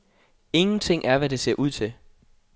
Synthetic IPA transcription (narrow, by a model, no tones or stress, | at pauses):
e̝ŋn̩t͡sʰe̝ŋ̰ʔæɐʋæɾe̝se̝ɐʔuð̰ˠt͡sʰe̝l